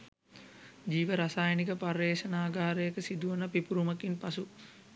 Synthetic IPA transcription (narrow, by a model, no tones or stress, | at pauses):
d͡ʒiːʋəɾasaːjənikəpɐrːeːʃɐnaːɡaːɾəjəkəsid̪uʋənɐpipuɾumɐkinpasu